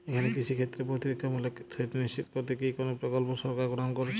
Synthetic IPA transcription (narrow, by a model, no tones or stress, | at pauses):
ekʰanekit͡ʃʰikʰet̪ːɾepot̪id̪ikʰːamulektʰetnist͡ʃit̪ɔ̥koɾt̪ekikonopɾɔkɔlpɔsɔɾkaɾɡuɾankɔɾet͡ʃʰ